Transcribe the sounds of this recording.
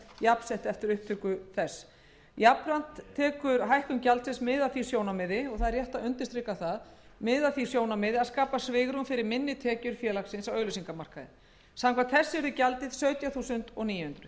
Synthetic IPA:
japsɛht̪ɛft̪ɪɾʏhp̚t̪ʰʏkʏθɛs | japɾan̥t̪ʰːɛːkʏɾɦajhkʏmcalt̪sɪnsmɪːðaθi̥sjoːwnamɪðɪɔɣθaðɛɾrjɛht̪aʏnt̪ɪst̪ɾɪkːaθaðmɪːðaθi̥sjoːwnamɪðɪaðskaːpasvɪɣɾʏmfɪɾɪɾmɪnːɪt̪ʰɛːcʏɾ̥fjɛːlaksɪnsawœːɥlʏsiŋkamar̥kaðɪ̰ | sawkʰvant̪θɛsːɪɛɾðʏcalt̪ɪð̥sœːɥt̪jaθuːsʏnt̪ɔɣniːjʏhʏnt̪ɾʏ̥

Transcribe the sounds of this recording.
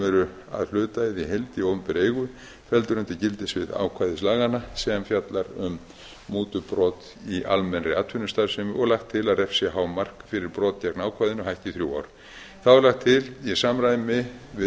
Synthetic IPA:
ɛɾʏ | a̰ðl̥ʏːt̪aɪðiɦelt̪iowmpɪɾeːjɣʏ | fɛlt̪ʏɾʏnt̪ɪcɪlt̪ɪsvɪða̰wkʰvajðɪslaːɣanasɛamfjat̪laɾʏm | muːt̪ʏpɾɔːt̪ | ia̰lmɛnɾɪat̪ʰfʏnʏst̪aɾsɪmʏʔɔɣlaxt̪ʰːɪlaðrɛfsjɛɦaːwmar̥kfɪɾɪɾpɾɔːt̪̚cjɛknaːwkʰvajðɪnʏɦaɛhcɪθɾjuwa̰wɾ | θaðɛɾlaxt̪ʰːɪljɛsamɾajðɪmɪvɪ

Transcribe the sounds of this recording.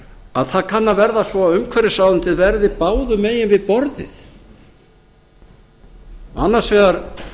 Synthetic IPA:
aðθaðkʰanːavɛɾðasvɔaðʏmkʰvɛɾɪsaːwðʏnt̪ɪðvɛɾðɪpaːwðʏmeːjɪnvɪðpɔɾðɪ̰θ | a̰nːaɾsvɛːɣaɾ

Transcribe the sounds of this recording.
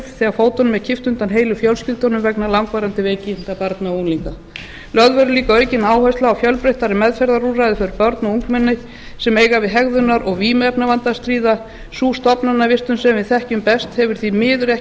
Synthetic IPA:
θɛːɣafoːwt̪ɔnmɛðcʰɪft̪ʏnt̪anɦeːjlʏfjœwlscɪlt̪ɔnʏmvɛknalawŋkvajɾant̪ɪveːcɪnt̪apaɾt̪naunliŋka | lœðvœɾʏliːkaœːɥcɪnaːwhœst̪laːwfjœlpɾejht̪aɾɪmɛðfɛɾðaɾurajðɪfœɾpœɾt̪nauŋkmɛnːɪ | sɛmeːjɣavɪðɦɛɣðʏnːaɾʔɔɣviːmɛɛpnavant̪ast̪ɾiːða | suːst̪ɔpnanːavɪst̪ʏnsɛmɪθɛhcʏmpɛst̪hɛvʏɾ̥θimɪːðʏɾɛh

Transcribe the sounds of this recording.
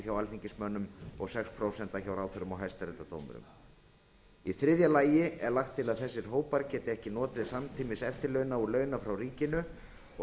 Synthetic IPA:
çawalθiɲcɪsmœnːʏmɔɣsɛkspʰɾowsɛnt̪açawɾaːwθʏɾʏmɔɣɦajst̪aɾɛt̪at̪o̰wmʏ̰ɾʏ̰m | iθɾɪðjalaːjɪɛɾlaxt̪ʰːɪlaðθɛsːɪɾ̥ɦoːwpaɾcɛːt̪ɪɛhcɪnɔːt̪ɾɪðsamt̪ʰiːmɪsɛft̪ɪɾlœɥnaulœːɥnafɾawɾiːcɪnʏ | ɔ

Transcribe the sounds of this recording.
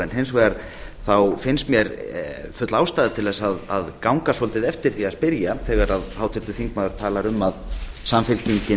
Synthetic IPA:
ɛnɦejnsvɛːɣaɾ̥ | θawfɪnst̪mjɛɾfʏt̪laːwst̪aːðɪt̪ʰɪlðɛsaðaðkawŋkasɔlt̪ɪðɛft̪ɪɾ̥θiaðspɪɾjaθɛːɣaɾaðhawt̪ʰɪɾt̪ʏθiŋkmaːðʏɾ̥t̪ʰaːlaɾʏmːaðsamfɪlciɲcɪ

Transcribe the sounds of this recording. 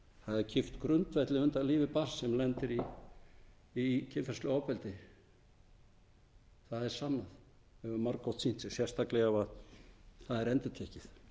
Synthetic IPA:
θaðɛɾcʰɪft̪kɾʏnt̪vɛt̪lɪʏnt̪aliːvɪpar̥sːɛmlɛnt̪ɪɾi | icʰɪnfɛɾ̥st̪lʏɔwpɛlt̪ɪ | θaðɛɾ̥sanːað | ɛvʏmaɾkɔwt̪sin̥sɪ̥sjɛ̥st̪aklɛɣavaðθaðɛɾɛnt̪ɪt̪ʰɛhcɪθ

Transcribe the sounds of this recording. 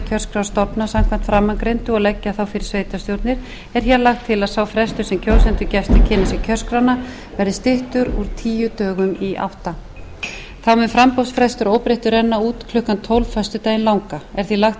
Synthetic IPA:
cʰœr̥skɾawst̪ɔpnasam̥kʰvan̥t̪fɾamːaŋkɾejnt̪ʏɔɣlɛcːaθawfɪɾɪɾ̥sveːjt̪ast̪jowɾt̪nɪɾ̥ | ɛɾ̥çjalaxt̪ʰːɪlaðsawfɾɛst̪ʏɾ̥sɛmcʰow̪sɛnt̪ʏɾcɛft̪acʰɪnasɪcʰœr̥skɾana | vɛɾðɪst̪ɪht̪ʏɾṵɾt̪ʰiːjʏt̪œːɣʏmiʔa̰ht̪a | θawmɛnfɾampɔwsfɾɛst̪ʏɾowpɾɪht̪ʏɾɛnːauːt̪kʰlʏhkant̪ʰɔwlvfast̪ʏt̪ajɪnlawŋkaɛɾ̥θilaxt̪

